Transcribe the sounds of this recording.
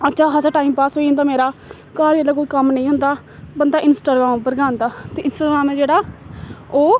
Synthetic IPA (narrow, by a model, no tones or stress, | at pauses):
ətːʃʰaːɦasaːʈaːiːmpaːsɦoːiːɦə̃nd̪aːmeːɾaː | kaːɾəlaːkoːiːkəmnəĩːɦʊ̃nd̪aː | bənd̪aːʔɪnsʈaːɡɾaːmːpəɾɡãːnd̪aːt̪eːɪnsʈaːɡɾaːmɛ̃ːd͡ʒeːɽaː | oː